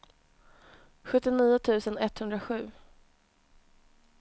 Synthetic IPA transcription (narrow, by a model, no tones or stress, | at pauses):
ɧɵt̪ːɪniːʊt̪ʰʉ̟ːsənɛt̪hɵnd̪ɾaɧʉ̟ː